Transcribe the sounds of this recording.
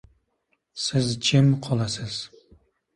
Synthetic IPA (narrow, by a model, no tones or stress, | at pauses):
sɪzt͡ʃʰemqʰɒlˠasɪz̥